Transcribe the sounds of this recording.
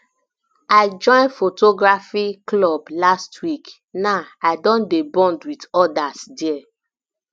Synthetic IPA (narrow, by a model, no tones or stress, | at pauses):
aɪd͡ʒɔ̃ɪ̃nfotoɡɹafiklɔblastʰwik | naaɪdɔ̃ndebɔ̃ndwitɔdasdɛɛ